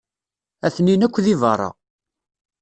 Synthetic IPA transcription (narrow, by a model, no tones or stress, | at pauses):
æθninækʷːðivɑrˤːɑ̰